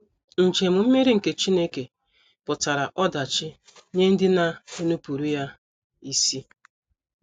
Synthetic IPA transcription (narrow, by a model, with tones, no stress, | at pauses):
n̩˨t͡ʃe˨mʊ˨m̩˦me˦ɾi˦ŋ̩˨ke˨t͡ʃi˦ne˦ke˨ | pʊ˨ta˨ɾa˨ʔɔ˦da˨t͡ʃɪ˦ | ɲe˦n̩˦dɪ˦na˨u˦nu˦pu˨ɾu˦ja˦ | i˦si˦